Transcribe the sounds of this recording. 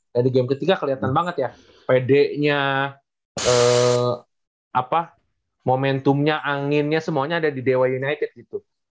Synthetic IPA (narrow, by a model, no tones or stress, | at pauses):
dadiɡɛmkət̪ikakəliat̪anbaŋət̪ja | pedɛʔɲa | ə | ʔapa | momɛnt̪ʊmɲaʔaŋɪnɲasəmuaɲaːdadidewajunajt̪ɪd̚ɡit̪u